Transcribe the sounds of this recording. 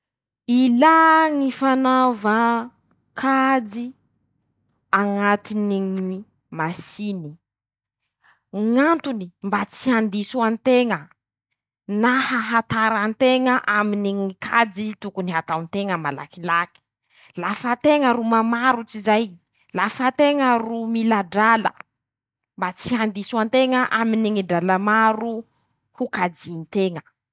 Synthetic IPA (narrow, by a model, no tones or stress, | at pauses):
ilaŋifanavə | kʰad͡zi | aŋat̪iniŋi | masini | ŋant̪unimbat͡siɦand̪isuant̪eŋə | nahaɦat̪aɾant̪eŋəʔaminiŋikʰad͡zit̪ukuniɦat̪awnt̪eŋəmala̰kilaki̥ | lafət̪eŋəɾumamaɾut͡sizaj | lafat̪eŋərumilaɖ͡ʐalə̰ | mbat͡siɦand̪isant̪eŋəʔaminiŋiɖ͡ʐalamaɾu | hukad͡zinit̪eŋə